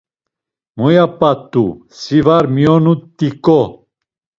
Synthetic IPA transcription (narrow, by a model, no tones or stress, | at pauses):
mujapat̪ːusivaɾmiɔnut̪ːikɔ